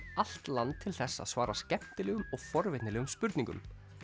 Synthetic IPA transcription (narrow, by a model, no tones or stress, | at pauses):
al̥t̪lant̪ʰːɪlθɛsːa̰ðsvaːɾascɛpt̪ɪlɛːɣʏmɔɣfɔɾvɪt̪nɪlɛːɣʏmspʏɾt̪niŋkʏ̰m